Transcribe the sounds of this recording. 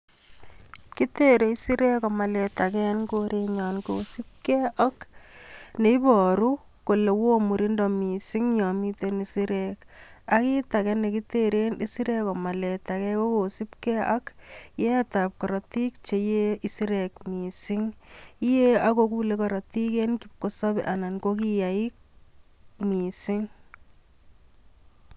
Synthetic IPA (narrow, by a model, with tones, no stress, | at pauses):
ki˦te˦ɾe˨i˦si˦ɾe˦kɔ˨ma˨lɛ˨ta˨kɛ˦nko˦ɾe˦ɲa˨nkosi˦p̚kɛ˦ʔɔ˦k | ne˨i˦bɔ˨ɾu˦ | ko˨le˨wo˦mu˨ɾi˦ndɔ˨mi˨si˦ŋɲɔ˨mi˦te˦ni˨si˦ɾeka˦ki˦ta˨kɛ˦ne˨ki˦teɾe˦ni˦si˦ɾe˦kɔ˨ma˨lɛ˨ta˨kɛ˦ko˦ko˨si˦pkɛ˦ʔa˦kje˦a˦ta˨p̚kɔ˨ɾɔ˨ti˦kt͡ʃe˨je˦i˦si˦ɾe˨kmi˨sɪ˦ŋi˦je˦a˦ko˦kule˦kɔɾɔ˨ti˦ke˦nkip̚ko˦sɔ˦bi˨ʔa˨na˨nko˦ki˦ja˨ik̚ | mi˨sɪ˦ŋ